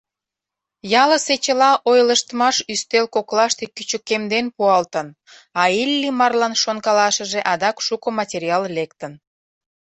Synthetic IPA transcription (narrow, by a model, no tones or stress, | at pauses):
jɑlə̆set͡ɕəlɑʔojləʃt̪əmɑʃyst̪elkoklɑʃt̪ekyt͡ɕəkːemd̪enpuɑlt̪ən | ɑilʲːimɑrlɑnʃonkɑlɑʃəʒeʔɑd̪ɑkʃukə̆mɑtʲeɾʲiɑllekt̪ən